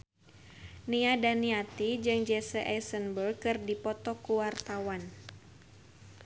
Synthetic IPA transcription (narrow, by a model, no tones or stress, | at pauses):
niadaniat̪id͡ʒɨŋd͡ʒɛsəʔɛsənbəlkɨrdipɔt̪ɔkuwart̪awan